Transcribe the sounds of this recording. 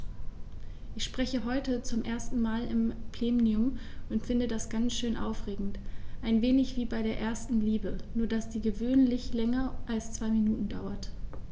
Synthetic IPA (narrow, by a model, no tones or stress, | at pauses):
ʔɪçʃpʁ̥ɛçəɦɔʏtət͡sʊmʔeːɐstn̩maːlɪmpl̥eːmniʊm | ʔʊntfɪndədasɡ̥ant͡sʃøːnʔa̰ʊfʁ̥eːɡŋ̩tʔaɪnveːnɪçv̥iːbaɪɾeːɐʔeːɐstn̩liːbənuːɐdasd̥iːɡəvøːnlɪçlɛŋɐʔalst͡sv̥aɪminuːtn̩daʊɐt